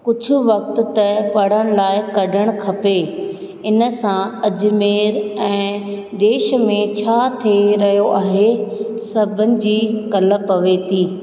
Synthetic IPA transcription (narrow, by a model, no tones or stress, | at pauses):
kʊd͡ʑʱʊ̆ʋɐk̚t̪̆t̪ɐpɐɽ̤əɽ̃laːɪkɐɖʱəɽ̃kʰɐpe | ɪnə̆sãɐd͡ʑʊ̆meːɾɛ̃ː | d̪eːʃ̆mẽt͡ɕʰaːt̪ʰeɾɐɦijoʔaːɦesɐbʱənɪ̆d͡ʑiːkɐləpːɐʋet̪ʰiː